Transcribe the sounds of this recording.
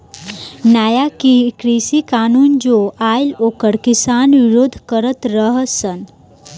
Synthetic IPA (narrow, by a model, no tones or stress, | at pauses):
naːjakikɾisikaːnuːnd͡ʒoaːjlokəɽkisaːnʋiɾoːd̪ʱkəɾət̪ɾəɦəsən